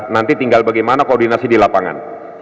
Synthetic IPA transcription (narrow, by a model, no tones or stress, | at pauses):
nant̪it̪iŋɡalbaɡajmanakordinasidilapaŋa̰n